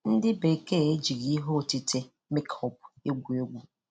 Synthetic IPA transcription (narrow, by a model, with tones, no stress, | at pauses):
n̩˦dɪ˦be˨ke˦e˦d͡ʒi˨ɣi˦ɦo˦˨ti˦tʰe˦ | me˦khɔ˨pe˦ɡʷu˨e˦ɡʷu˨